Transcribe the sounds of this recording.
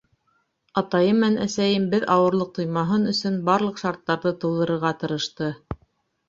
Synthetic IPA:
ɑt̪ɑjɤmænæ̰sæjɘmbɘðʔɑwɤ̆ɾlˠɤq̚t̪ŏjmɑɦɤnɵ̆sɵnbɑɾlˠɤ̆qʃɑɾt̪ːɑɾðɤt̪ɤ̆lˠd̪ɤ̆ɾɤ̆ɾʁɑt̪ɤ̆ɾɤ̆ʃt̪ɤ

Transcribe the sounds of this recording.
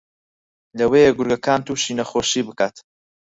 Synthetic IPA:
lɐwejeɡʊɾɡɐkaːnt̪uːʃiːnɐxoːʃiːbɨkaːt̪

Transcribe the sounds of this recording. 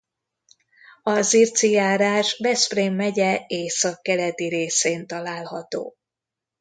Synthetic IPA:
ɒzirt̪sijaːɾaːʒbɛspreːmːɛɟɛeːsɒkːɛlɛt̪iɾeːseːnt̪ɒlaːlhɒt̪o̰ː

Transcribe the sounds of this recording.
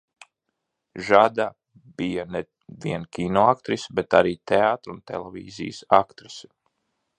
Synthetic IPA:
ʒad̪a | b̥ijane | viɛnkʲinoak̚t̪ɾisbet̪aɾiːt̪eaːt̪ɾunt̪ḛlˠɛvʲḭːzḭjsakt̪ɾisi̥

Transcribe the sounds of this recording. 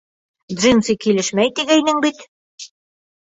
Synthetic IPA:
d̪ʐinsikilɘʃmæjt̪iɡæjnɘŋbit̪

